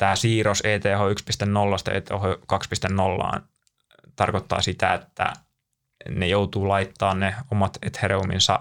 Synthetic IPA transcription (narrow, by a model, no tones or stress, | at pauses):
t̪æːsiːroseːt̪eːhoykspist̪ennolːɑst̪ɑḛːt̪ḛːhokɑkspist̪ennolːɑ̰ːn | t̪ɑrkot̪ːɑ̰ːsit̪æet̪ːæ̰ | nejout̪uːlɑit̪ːɑːnneomɑt̪et̪hereumḭnsɑ̰